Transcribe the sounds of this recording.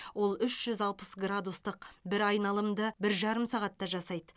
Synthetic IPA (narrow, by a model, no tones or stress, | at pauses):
wo̞lˠʏʃʒ̥ʏzɑlˠpəsɡrad̪ust̪əqbɪɾɑjnɑlˠəmd̪əbɪɾʒɑɾəmsɑʁɑt̪ːɑʒɑsɑjd̪ə